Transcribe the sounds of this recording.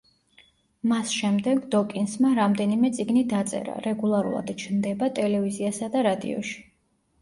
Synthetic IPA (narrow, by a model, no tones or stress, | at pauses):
masʃɛmd̪ɛɡd̪ɔkʼinsmaɾamd̪ɛnimɛt̪sʼiɡnid̪at̪sʼɛ̰ɾa̰ɾɛɡulˠaɾṵlˠa̰d̪t͡ʃʰnd̪ɛbat̪ʼɛlɛviziasad̪aɾad̪ḭɔ̰ʃi̥